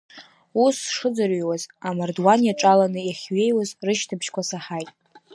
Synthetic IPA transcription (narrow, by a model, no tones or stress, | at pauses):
usʂɨd͡zariwazamardwanjaʈ͡ʂʼalanɨjaχʲɥe̞jwazrɨʃtʰɨpʰʃkʷʰasaħajtʼ